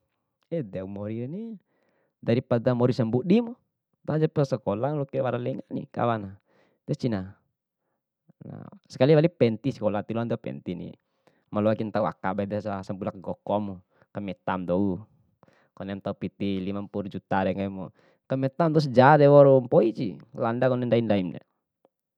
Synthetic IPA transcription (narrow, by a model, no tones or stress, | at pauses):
ɛdɛaumɔɾini | daɾipadamɔɾisambuʔdimu | t̪ad͡ʒapɛsɛkɔlaŋlɔkɛwaɾalɛŋaʔnḭka̰wana | t̪ɛst͡ʃina | na̰sɛ̥kaliwalipɛnt̪isɛ̥kɔlat̪ilɔnd̪ɔpɛ̰nt̪inḭ | malɔakint̪aua̰kabaidasasambulak̚ɡɔkɔmu | kamɛt̪amd̪ɔu | kɔnɛmt̪aupit̪ilimampuɾd͡ʒut̪adɛŋaimɔ | kamɛt̪amd̪ɔus̬d͡ʒad̪ɛwɔɾumpɔid͡ʒilandakɔnɛndaindaimdɛ̰